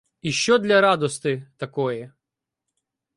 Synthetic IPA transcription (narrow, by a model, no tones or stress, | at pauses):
iʃt͡ʃɔd̪lʲɐɾɑd̪ɔst̪ɪt̪ɐkɔjɛ